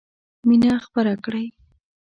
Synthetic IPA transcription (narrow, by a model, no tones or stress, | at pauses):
minaxpaɾakɽaj